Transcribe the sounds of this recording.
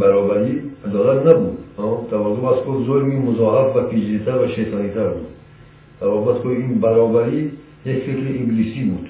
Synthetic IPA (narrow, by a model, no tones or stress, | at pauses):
baɾɔbaɾiad̪ɔlat̪nabud̪at̪avazubaskʰɔzɔlmimuzɔɦafvapʰed͡ʒɾit̪ʰaɾvaʃesanit̪ʰaɾbṵd̪ | d̪̥aɾɔbat̪kʰɔiinbaɾɔbaɾi | jekfekliʔiɡilisibud̪̥